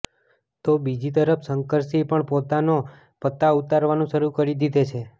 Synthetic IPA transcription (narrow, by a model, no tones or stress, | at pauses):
t̪obid͡ʒit̪əɾəpsəŋkəɾsipəɳpot̪ano | pət̪ːaut̪aɾʋanũʃəɾukəɾid̪id̪ʱet͡ʃʰe